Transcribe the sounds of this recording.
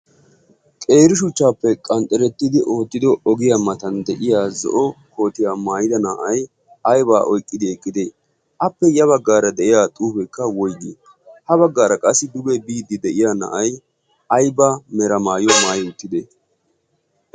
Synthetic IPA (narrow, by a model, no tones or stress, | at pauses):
kʼe̞ːɾɪʃ̬ʊt͡ʃːaːpːɛkʼɐnt̪ʼɛɾɛt̪ːɪd̪ɪʔo̞ːt̪ːɪd̪ɔɔɡɪjamɐt̪ɐnd̪ɛʔɪjaːzɔ̰ʔɔko̞ːt̪ɪjaːmaːjɪd̪ɐnaːʔɐj | ɐjbaːʔɔjkʼːɪd̪ɪɛkʼːɪd̪eː | ʔɐpːɛjɐβɐɡːaːɾɐd̪ɛʔɪjaːt̪ʼuːpɛkːɐwɔjɡi | hɐβɐɡːaːɾɐkʼɐsːɪd̪ʊbɛbiːd̪ɪd̪ɛʔɪjaːnɐ̰ʔɐj | ɐjbaːmɛɾɐmaːjɔmaːjʊt̪ːɪd̪e